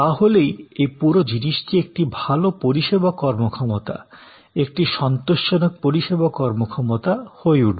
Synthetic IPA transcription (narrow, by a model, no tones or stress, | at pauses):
t̪aɦolejejpuɾod͡ʑiniʃʈiek̚ʈibʱalopoɾiʃebakɔɾmokʰɔmot̪a̰ | ek̚ʈiʃɔnt̪oʃːonok̚poɾiʃebakɔɾmokʰɔmot̪ahoeuɖbe